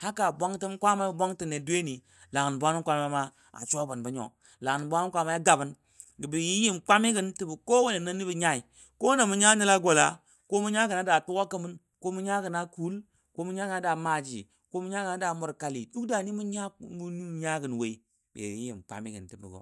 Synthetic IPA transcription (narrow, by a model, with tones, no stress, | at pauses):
ha˦ka˨bʷa˦ŋti˦mkʷa˦ma˦˨bʷa˦ŋti˨ne˨dʷe˦ni˨ | la˨ŋ˨n˨bʷa˦ni˦nkʷa˦ma˦ma˦ | a̰˨t͡ʃo˦bu˨nbi˨˦ɲo̰˨ | la˨ŋ˨ba˦ni˦nkʷa˦ma˦a˦ɡa˨bi˨n | ɡi˨bi˨ji˦ji˦mk͡pa˦mi˦ɡi˦nti˦bi˨ko˦we˦le˨na˦ni˦bi˨ɲa˦i˨ | ko˦na˨mu˦ɲa˦ni˦la˦ɡo˨la̰˨˦ | ko˦mu˦ɲa˦ɡi˨na˨˦da˨tu˦ɡa˦kə˦˨mi˦n | ko˦mu˦ɲa˦ɡi˨na˦ku˦l | ko˦mu˦ɲa˦ɡi˨na˨˦da˨ma˨d͡ʒi˨ | ko˦mu˦ɲa˦ɡi˨na˨˦da˨mu˨ɾka˨lḭ˨du˦kda˨ni˦mu˦ɲa˦mu˦ni˦m˦ɲa˦ɡi˨nwe˨i˦ | bḛ˨i˦jḭ˨mk͡pa̰˦mi˦ɡḭ˨nti˦bḭ˨ɡo̰˨